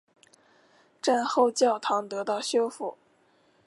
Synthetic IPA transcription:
ʈ͡ʂa˥˧nxo˥˧ʊt͡ɕjɑ˥˩ʊt̪ʰɑ˧˥ŋt̪ɤ˧˥t̪ɑ˥˩ʊɕjo˥ʊfu˥˩

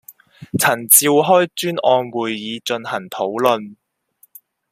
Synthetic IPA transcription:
t͡sʰɐ˨˩nt͡siː˧wɦɔː˥jt͡ʃyː˥nɔː˧nwuː˨jːiː˨˧t͡ʃɵ˧nhɐ˨˩ŋt̪ʰo˨˥wlɵ˨˧n

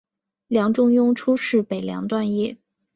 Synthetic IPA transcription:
ljɑ˧˥ŋʈ͡ʂʊ˥ŋjʊ˥ŋʈ͡ʂʰu˥ʂɻ̩˥˩pe˨˩ɪljɑ̰˧˥ŋt̪wa˥˧njɛ˥˩

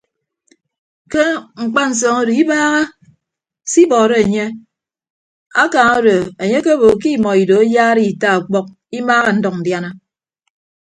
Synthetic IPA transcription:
ke˦ŋ͡m̩˨k͡pa˦n̩˨s̬ɔː˨ŋo˦do˨i˦baː˦ɣa˦ | si˦bɔː˨ɾe˦e˨ɲe˦ | a˦kaː˨ŋo˦do˨e˨ɲe˦ke˦bo˨k̬i˦mɔ˨i˨do˨e˦jaː˦ɾi˦i˨ta˦a˨k͡pɔ˦k̚ | i˦maː˦ɣa˦n̩˦dɔ˨k̚n̩˨dja˦na˦

